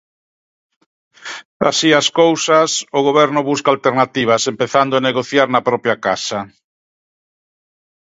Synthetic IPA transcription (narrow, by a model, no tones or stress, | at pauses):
a̰siaskowsɐsʊɣ̞oβɛɾnʊβuskalt̪eɾnat̪iβ̞asempeθand̪ʊaneɣoθjaɾnɐpɾɔpjakasɐ